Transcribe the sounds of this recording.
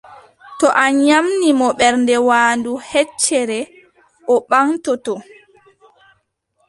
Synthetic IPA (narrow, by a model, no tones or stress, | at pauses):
tɔʔaɲamnimɔɓɛɾndɛwaːnduhɛt͡ʃːɛɾɛ | ʔɔɓaŋtɔtɔ